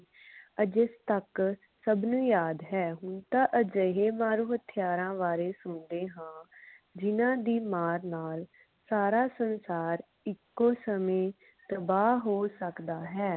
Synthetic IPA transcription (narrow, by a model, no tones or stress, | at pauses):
əd͡ʒɪst̪ək | səbnũːjaːd̪ɦɛːɦʊnt̪aːʔəd͡ʒəɦeːmaːɾuːɦət̪ʰɪjaːɾãːʋaːɾeːsʊnd̪eːɦãː | d͡ʒɪnãːd̪iːmaːɾnaːl | saːɾaːsənsaːɾ | ɪkːoːsəmẽː | t̪əbaːɦɦoːsəkd̪aːɦɛː